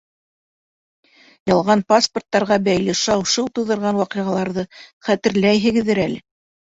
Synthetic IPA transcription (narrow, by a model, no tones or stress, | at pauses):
jɑlˠʁɑnpasport̪ːɑɾʁɑbæjlɘʃɑwʃɤw̪ˠt̪ŭðɤ̆ɾʁɑnwɑqĭʁɑlˠɑɾðɤχæt̪ɘ̆ɾlæjɦɘ̆ɡɘ̆ðːɘɾælɘ